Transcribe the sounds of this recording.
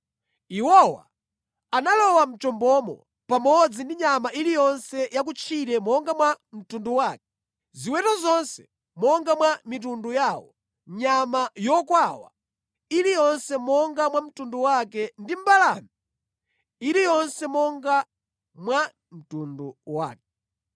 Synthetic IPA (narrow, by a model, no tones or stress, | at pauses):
iwɔwa̰ | analɔwam̩t͡ʃɔmbɔmɔ̰ | pamɔd͡zindiɲamaʔilijɔnsɛjak̬ut͡ʃʰiɾɛmɔŋɡamwam̩tunduwaːkɛ̥ | ziwɛtɔzɔnsɛ̥ | mɔŋɡamwamit̬undujaːwɔ | ɲamajɔkwawa̰ | ilijɔnsɛmɔŋɡamwam̩tunduwakɛndim̩balanɔ | iɾijɔnsɛmɔŋɡa | mwa | m̩tunduwa̰ːkɛ